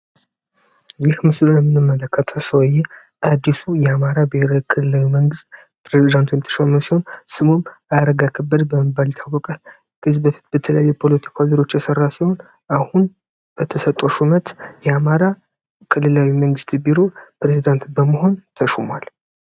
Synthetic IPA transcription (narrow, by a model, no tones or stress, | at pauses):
jɪhmɨslojɛmːɨnɨmːələkʰːət̪ʰəwsəwjːɛ | ʔad̪ːisujɛamaɾabiheɾawkʰɨlɨlawiməŋɡɨst̪̚ | pɾezid̪ant̪ʰunt̪ʰə̥ʃəməsiho̞nsɨmomaɾəɡakʰəbːəd̪bəməbaljt̪ʰawːɔkʼal | ɡɨzbəit̪b̥ət̪ʰələjajːɛpʰo̞lət̪ʰi̥kʰaziɾot͡ʃːjɛsərːasiho̞n | ʔahun | b̥ət̪ʰəsət̪ʼːoʃumət̪jɛamaɾa | kʰɨlːɨlawiməŋɡɨst̪biɾo̞pɾe̞zid̪ant̪bəməɦo̞nt̪ʰəʃumal